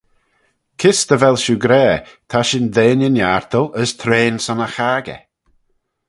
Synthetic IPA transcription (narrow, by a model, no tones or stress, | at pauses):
kʰɪst̪əvɛlˠʃuɡɾɛːt̪ʰaʃɪndeːnənjaɹt̪əlˠəst̪ʰɾeːnsɔnəxaːɡɛ̰